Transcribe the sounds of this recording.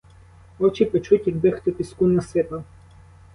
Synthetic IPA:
ɔt͡ʃipet͡ʃutʲid̪bɪxt̪ɪpʲiskunɐsɪp̪ɐ

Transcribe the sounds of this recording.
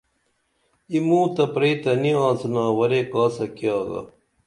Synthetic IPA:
imũːt̪ɐpɾeːt̪ɐniãːsnaːwɐɾekaːsɐkijaːɡɐ̰

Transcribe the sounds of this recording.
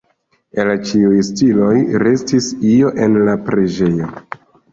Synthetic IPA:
elt͡ʃiujstilo̞jɾe̞stisio̞ʔe̞nlapɾe̞d͡ʒe̞jo̞

